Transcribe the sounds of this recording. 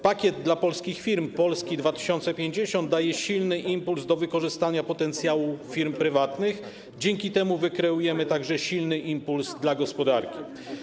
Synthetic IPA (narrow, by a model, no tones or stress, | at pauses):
pakʲjɛd̪̚d̪lapɔlskʲixfʲiɾmpɔlskʲid̪vat̪ɘ̥ɕɔnt̪sɛpʲjeɲd͡ʑeɕɔnd̪̚ajɛɕilnɘʔimpulzd̪ɔvɘkɔʐɘst̪aɲapɔt̪ɛnt̪sʲjawufʲiɾmpɾɘvat̪nɘx | d͡ʑɛŋkʲit̪ɛmuvɘkɾɛujɛmɘt̪aɡʐɛɕilnɘʔimpulzd̪laɡɔspɔd̪aɾkʲi̥